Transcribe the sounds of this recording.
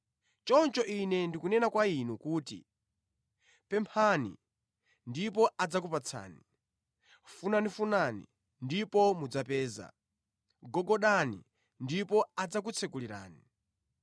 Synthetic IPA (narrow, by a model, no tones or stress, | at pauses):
t͡ʃɔnt͡ʃɔʔinɛndikunɛnakwainukuːtḭ | pɛmpʰanḭ | ndip̬ɔad͡zak̬upat͡sʰa̰ːni | funanifunanḭ | ndipɔmud͡zapɛːza̰ | ɡɔɡɔɗanḭ | ndipɔad͡zak̬ut͡sʰɛkuliɾa̰ːni